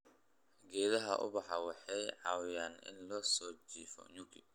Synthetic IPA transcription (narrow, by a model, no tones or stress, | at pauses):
ɡɛːðɐɦɐʔʊ̰bɐħawɛħɛjʕawjanɪ̰nlɔːsɔːd͡ʒiːfɔ̰ɲukʰi